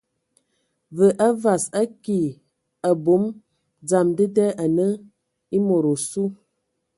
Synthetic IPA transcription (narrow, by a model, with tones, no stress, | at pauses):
və˨ʔa˦va˨sa˦ki˨ | a˨bo˨˦m | d͡za˨mdə˦dɛ˦ʔa˨nə˦ | i˦mo˨ɾo˨su˦